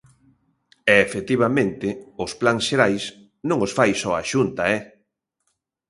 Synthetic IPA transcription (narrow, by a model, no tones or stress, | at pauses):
ɛefet̪iβ̞amẽnt̪ɪʊsplaŋsʃeɾajs | nõŋosfajsɔaʃunt̪aɛ